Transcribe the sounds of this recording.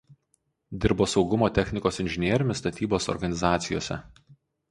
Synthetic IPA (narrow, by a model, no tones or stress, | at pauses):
d̪ʲɪɾboːsɒʊɡʊmoːt̪ʲɛxʲnʲɪkoːsɪnʲʒʲɪnʲiɛɾʲɪmʲɪst̪ɐt̪ʲiːboːsɔ̰ɾɡɐnʲɪzɑːt̪sʲɪjo̰ːsʲɛ̰